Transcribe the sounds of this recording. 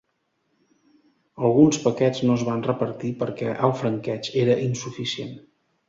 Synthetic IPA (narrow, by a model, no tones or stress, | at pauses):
əlˠɣunspəkɛd͡znoəzβanrəpəɾt̪ipəɾkɛʔəlˠfɾəŋkɛt͡ʃeɾəʔinsufisien